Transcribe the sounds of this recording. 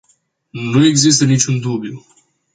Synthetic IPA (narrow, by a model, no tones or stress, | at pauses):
nue̞ɡzis̬t̪ənit͡ʃʲund̪ubju